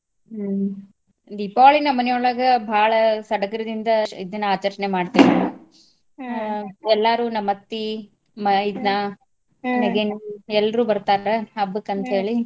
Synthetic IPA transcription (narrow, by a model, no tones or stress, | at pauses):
d̪ipaːɭinɐmɐnjoːɭɐɡɐbʱaːɭɐsɐɽɐkɐɾɐd̪ind̪ɐid̪ɐnːuaːt͡ʃɐɾt͡ʃɐnemaːɖt̪iːʋi | ɛlːaːɾuːnɐmɐt̪ːi | mɐid̪na | neɡeniɛlːɐɾuːbɐɾt̪aːɾeɐbːɯkːɐnt̪ɦe̞ːɭi